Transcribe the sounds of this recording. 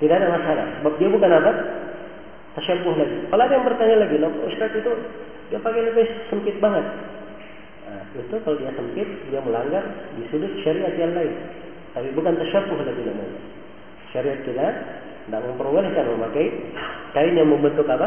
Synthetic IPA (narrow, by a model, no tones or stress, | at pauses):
t̪idanaʔmasala̰səbap̚diabukanapa | t̪aʃabʊhlaɡikaloadajaŋbərt̪aɲalaɡilokskat̪it̪u | diapakajləpajsəmpɪt̪̚baŋət̪̚ | ait̪ukalodiasəmpɪt̪̚diaməlaŋɡardisudɪt̪̚ʃaɾiat̪jaŋlaɪn | t̪apibukant̪aʃabʊhlaɡinama̰ɲa̰ | ʃaɾiat̪ːida | ndaʔməmpərwelɪhkanməmakajkaɪnjaŋməmbənt̪ʊkapa